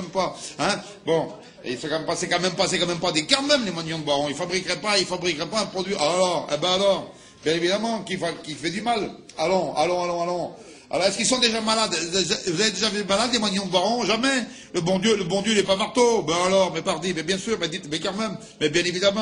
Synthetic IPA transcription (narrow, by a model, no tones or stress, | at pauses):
ɛmpaɛ̃ | bɔ̃ | ilfɛkɑ̃mɛmpasekɑ̃mɛmpas̬ekɑ̃mɛmpad̪ekaʁmɛmlemwaɲɔ̃d̪əbaʁɔ̃ilfabʁikʁɛpailfabʁikʁɛpaɛ̃pχɔd̪ɥiʔalɔʁḛbɛalɔʁ | bjɛ̃nevid̪amɑ̃kivakʲifɛd̪ymalalɔ̃a̰lɔ̃alɔ̃alɔ̃ | a̰lɔʁɛskilsɔ̃d̪eʒamalad̪vuzaved̪eʒavymalad̪lemwaɲɔ̃d̪əbwaʁɔ̃ʒamɛ | ləbɔ̃d̪jøləbɔ̃d̪jøilɛpamaʁt̪obɛ̃alɔʁmɛpaʁd̪imɛbjɛ̃syʁmɛd̪it̪dekaʁmɛm | mɛbjɛ̃nevid̪amɑ̃